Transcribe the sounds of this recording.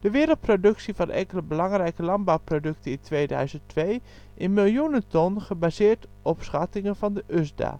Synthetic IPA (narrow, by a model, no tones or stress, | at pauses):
d̥əʋɪːɾəlˠt̚prodɵksivɑnʔɛ̰ŋkələbəlɑŋrɛjkəlɑnbawprodɵktənɪntʋeːdœ̰ɥzəntʋej | ʔɪnmɪlˠjunəntɔnχəbaːzɪːɹt | ɔpsχɑtɪŋənvɑndəʔʏzda̰ː